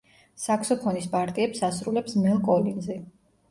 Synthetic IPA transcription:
sakʰsɔpʰɔnispʼaɾt̪ʼiɛpsasɾulɛpsmɛlˠkʼɔlinzɛ

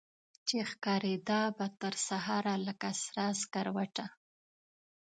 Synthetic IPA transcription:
t͡ʃexkɑɾed̪ɑbat̪əɾsaɦɑɾaləkasɾɑskaɾwaʈa

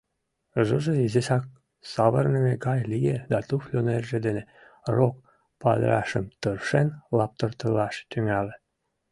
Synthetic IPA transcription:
ʒɤʒĕizesɑk̚ | sɑβərnəmeɡɑjlʲijed̪ɑt̪uflʲonerʒĕd̪ene | rok̚ | pɑ̰d̪̰ɾɑ̰ʃə̰mt̪ɤrʃenlɑp̚t̪ɤ̆rt̪ɤ̆lɑʃt̪yŋælĕ

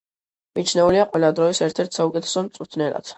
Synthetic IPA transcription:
mit͡ʃʰnɛuliaqʼwɛlad̪ɾɔisɛɾt̪ʰɛɾt̪ʰsaukʼɛt̪ʰɛ̥sɔmt̪sʼuɾt̪ʰnɛla̰t̪

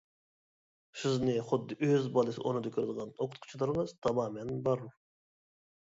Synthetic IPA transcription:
sɨznɨχʊd̪ːɨʔøzbɑlˠɨsɨ̰ʔonɨd̪ɑkʲʰøɾd̪əʁɑnoqʰʊt̪̚qʰʊ̥t͡ʃʰlˠɑɾmɑz̥t̪ʰɑmɑːmɛnbɑɾu

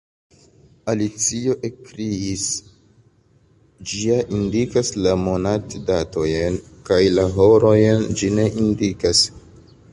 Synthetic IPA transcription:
alit͡sio̞ʔe̞kɾiis | d͡ʒiaʔindikaslamo̞natdato̞jenkajlaɦo̞ɾo̞jend͡ʒine̞ʔindikas

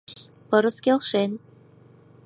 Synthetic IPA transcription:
pɤ̆ɾɤ̆skʲelʃen

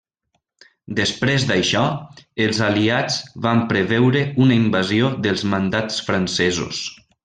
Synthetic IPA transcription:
d̪əspɾezd̪ajʃɔəlˠzaliad͡zβampɾəβɛwɾəunəimbazioðəlˠzmand̪at͡sfɾansɛzṵs

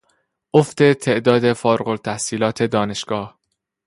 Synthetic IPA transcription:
ʔoft̪e̞t̪ʰe̞ʔd̪ɒːd̪e̞fɒːɾɢolt̪ʰæhsiːlɒːt̪ʰe̞d̪ɒːne̞ʃɡ̥ɒːh

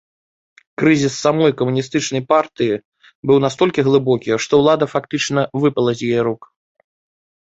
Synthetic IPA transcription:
kɾɨzʲisːamɔjkɐmunʲist̪ɨt͡ʂnɐjpart̪ɨji | bɨwnast̪ɔlʲkʲiɣlˠɨbɔkʲiʂt̪ɔwlˠad̪ɐfakt̪ɨt͡ʂnɐvɨpɐlˠɐzʲjɛɾuk

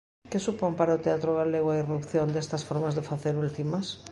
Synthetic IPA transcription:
kesupompaɾaot̪eat̪ɾoɣ̞aleɣoairupθjond̪est̪asfoɾmazðefaθeɾult̪imas

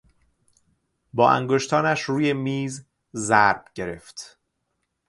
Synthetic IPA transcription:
bɒːʔæ̰ŋɡoʃt̪ʰɒːnæʃɾuːje̞miːz | zæɾb̥ɟe̞ɾe̞̰ft̪

